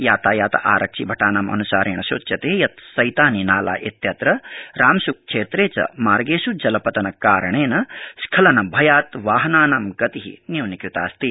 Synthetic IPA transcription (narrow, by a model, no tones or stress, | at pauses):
jaːt̪aːjaːt̪ɐ̰ʔaːɾɐkʂibʱɐʈaːnamɐ̰nusaːɾeːɳɐʃoːt͡ʃːjɐt̪eːjɐt̪sɐjt̪aːninaːla̰ːʔet̪jɐt̪ɾɐɾaːmsuk̚kʂeːt̪ɾeːt͡ʃɐ̰maːɾɡeːʃud͡ʒɐlɐpɐt̪ɐnɐkaːɾɐɳeːnɐskʰɐlɐnɐbʱɐjaːt̪ʋaːɦɐnaːnamɡɐt̪iɦḭnjiwnikɾit̪a̰ːst̪i